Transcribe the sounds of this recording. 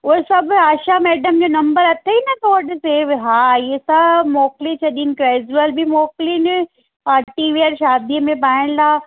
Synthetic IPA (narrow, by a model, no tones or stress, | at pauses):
ʊɦesɐbʱaːʃamɛːɖəmd͡ʑoːnɐ̃mbəɾɐt̪ʰeinɐt̪ʰoɐɗɪseːɦaːɪɦesɐbmɔːklit͡ɕʰɐɗiɪnɪ̆ɡɾeːd͡ʑuəlbimɔːklinɪ | aːʈiʋiəɾʃaːd̪iəmẽpaːɪɽ̃ɪlʰaː